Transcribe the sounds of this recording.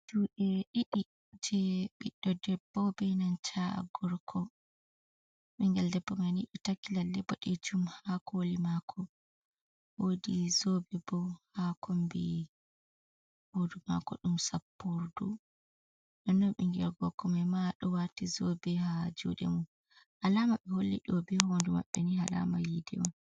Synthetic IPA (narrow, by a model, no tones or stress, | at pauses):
d͡ʒuɗɛɗiɗi | d͡ʒɛɓiɗːɔdɛbːɔbɛnant͡ʃa̰ɡɔɾkʰɔ | miŋɡɛldɛbːɔmaniɗitakːilalːɛbɔɗɛd͡ʒumhakolimakʰɔ | wodizobɛbɔhakombi | hoduma̰kɔ̰ɗumsapːuɾdu | ɗɔnːɔmiŋɡɛlɡɔɾkɔmajmaɗɔwatizobɛhad͡ʒṵɗɛ̰mu | ʔalamaɓɛholːḭɗɔbɛhɔwonduma̰ɓːɛnihala̰majidɛɔn